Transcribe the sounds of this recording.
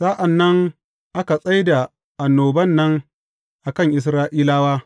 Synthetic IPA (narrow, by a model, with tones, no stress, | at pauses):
saː˦ʔa˨nːɐ˦ŋ | ʔa˦ka˨sʼɐ˦jda˨ | ʔa˨nːoː˨bɐ˦nːɐ˦ŋ | ʔa˨kɐ˦˨ŋʔɪ˨s̬ɾaː˦ʔiː˦laː˦waː˦